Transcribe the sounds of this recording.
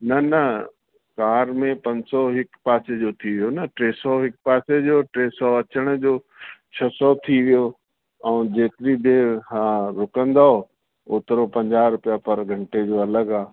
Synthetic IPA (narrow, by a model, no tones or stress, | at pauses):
nɐnɐ | kaːɾmẽpɐ̃ɲsɔɦɪkpaːsed͡ʑot̪ʰiʋijonɐʈɾeːsɔɦɪk̚paːsed͡ʑoːʈɾeːsɔɐt͡ɕəɽ̃d͡ʑoː | t͡ɕʰɐsɔt̪ʰiʋijo | ɛ̃ːd͡ʑeːkɪɾid̪ʱẽhãːɾʊkə̃nd̪aɦo | oːt̪əɾopɐ̃ɲd͡ʑaːɾʊpijapɐɾɡʱɐ̃ɳʈed͡ʑoːɐləɡaː